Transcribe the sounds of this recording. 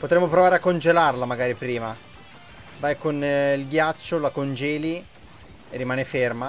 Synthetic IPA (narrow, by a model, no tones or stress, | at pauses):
pot̪ɾɛmːopɾovaːɾeakːond͡ʒelarlamaɡaːɾipɾiːma | vajkonilɡjat͡ʃːolakond͡ʒɛːli | erːimaːneferma